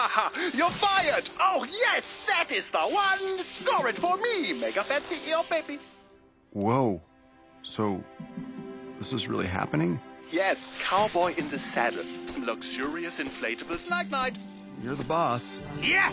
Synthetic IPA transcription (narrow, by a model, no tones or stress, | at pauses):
hɑjə˞faɪə˞doʊjɛsðɨɾɪzðəwʌ̃nskɔɹɨd̥fə˞mimeɪkəfæ̃nsiəbeɪbi | woʊ | soʊ | ðɪsɨzɹɪ̰lˠḭɦæ̰pɨ̃nɪ̃ŋjɛskʰaʊə˞bɔɪʔɨ̃nðɨsæ̰ɾsʌ̃mlʌkʃʊɹiɨsɨ̃nfleɪɾɨbl̩ˠznaɪk̚naɪt | jə˞ðəbɔsjɛ